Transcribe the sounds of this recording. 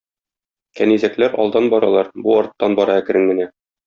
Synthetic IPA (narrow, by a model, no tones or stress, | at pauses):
kænizæklæɾɒ̰lˠd̪ɑnbɒɾɑlˠɑɾbuɒɾt̪ːɑnbɒɾɑækɘ̆ɾɘŋmɘ̆næ